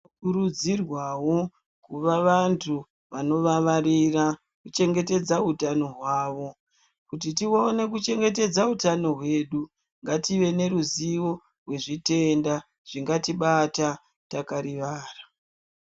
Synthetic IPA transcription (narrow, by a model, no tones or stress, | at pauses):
kuɾud͡zirwawo̞ | kuʋaʋantʰu | ʋano̞ʋaʋarira | kut͡ʃe̞ŋɡe̞te̞d͡zautano̞ɦwaːʋo̞ | kutitione̞kut͡ʃe̞ŋɡe̞t̬e̞d͡zautano̞ɦwe̞ɗu | ŋɡatiʋe̞ne̞ɾuziʋo̞ | rwe̞ʐite̞nda | ʐ̥iŋɡatiɓata | takaɾiʋaːra